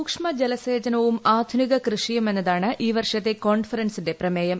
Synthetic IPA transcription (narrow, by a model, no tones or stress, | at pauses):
ukʂmɐd͡ʑelɐseːd͡ʑɐnɐʋumaːd̪ʱuniɣɐkrɨʂijɐme̞nːɐðaːɳɨʔiːʋɐrʂɐt̪ːe̞ko̞ːɳfɐɾɐnsinde̞prɐmeːjɐm